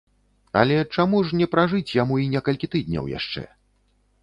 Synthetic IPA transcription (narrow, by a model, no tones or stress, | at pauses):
ɐ̰lʲɛt͡ʂamuʂnʲɛpɾaʐɨt͡sʲjamuinʲɛkɐlʲkʲit̪ɨd̪̚ʲnʲɐ̰wja̰ʂt͡ʂɛ̰